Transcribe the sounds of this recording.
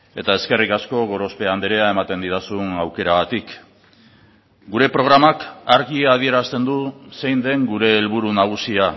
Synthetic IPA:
e̞t̪aeske̞rikasko̞ɣ̞o̞ɾospe̞and̪eɾeae̞mat̪e̞nd̪iðasunawke̞ɾaɣat̪ik | ɡuɾe̞pɾo̞ɣ̞ɾamakaɾɣiaːð̞ie̞ɾast̪e̞nd̪use̞jnd̪e̞ŋɡuɾe̞ːlβuɾunaɣ̞usia

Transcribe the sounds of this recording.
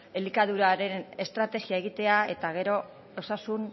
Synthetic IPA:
elikaðuɾaɾe̞ne̞st̪ɾat̪e̞ɣiae̞ɣit̪e̞ae̞t̪aɣ̞e̞ɾo̞ | osasun

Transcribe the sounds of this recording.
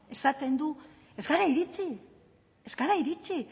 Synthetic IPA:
e̞sat̪e̞nd̪u | ezɡaɾaiɾit͡ʃi | ezɡaɾaiɾit͡si

